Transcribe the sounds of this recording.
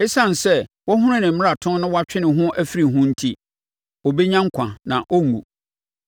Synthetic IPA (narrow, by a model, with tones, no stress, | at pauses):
e˦sã˦n˨sɛ˦wɔ˦ɦʊ̃˦ɾɪ̃˦nɪ̃˨m̩˦mɪ̃˦ɾa˨tʰʊ̃˦n˦nʊ̃˦wɔ˦a˦t͡ɕᶣɪ˦nɪ̃˨ɦʊ̃˦ʔæ˦fi˦ɾi˨ɦʊ̃˦n̩˦tʰi˦ | ɔ˨be˦ɲã˦ŋ̩˦kʷʰã̰˨nã̰˨ʔɔ˦ŋṵ̃˨